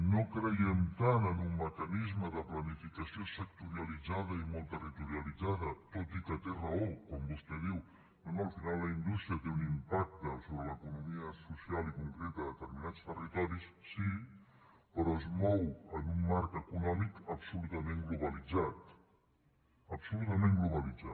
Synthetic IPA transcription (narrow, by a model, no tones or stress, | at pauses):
nokɾəjɛmt̪anənumːəkənizməðəplənifikəsiosək̚t̪uɾiəlid͡zaðəimolˠt̪ərit̪uɾiəlid͡zaðət̪ot̪ikət̪erəokɔmbust̪ɛðiw | bɛnuəlˠfinalˠləind̪ust̪ɾiət̪eunimpak̚t̪əsoβɾələkunumiəsusialikuŋkɾet̪əðət̪əɾminat͡st̪ərit̪ɔɾissi | pəɾɔezmɔwənumːaɾkəkunɔmikəpsulut̪əmeŋɡluβəlid͡zat̪ | əpsulut̪əmẽŋɡluβəlid͡za